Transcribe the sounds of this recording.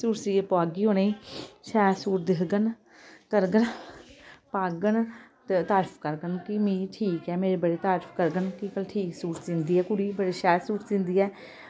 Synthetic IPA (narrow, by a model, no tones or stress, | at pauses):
suːɾsiːepoaːɡiːɦoːneːʃɛːsuːɾd̪ɪkɡən | t̪əɾɡən | paːɡənt̪t̪aːɾpʰkəɾɡənkimĩːʈʰiːkɛːmeːɾebəɽeːt̪aːɾpʰkəɾɡənkikəlʈʰiːksuːɾt̪d͡ʒɪ̃nd̪iːɛːkʊɽiːbəɽeːʃɛːsuːɾd͡ʒɪ̃nd̪iːɛː